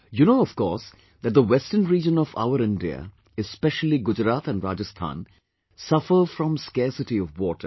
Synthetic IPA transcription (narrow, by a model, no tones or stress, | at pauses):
junoʊɔfkɔːs | d̪æt̚d̪əwɛstənɾiːd͡ʒə̃nɔfa̰ʊəɾɪ̃nɖiə̰ | ɛspɛʃəliɡʊd͡ʒɾaːt̪æ̃nɖɾaːd͡ʒəst̪ʰã̰ːn | sʌfəfɾɔ̃mskɛsɪʈiɔʋwɔːʈʰə̰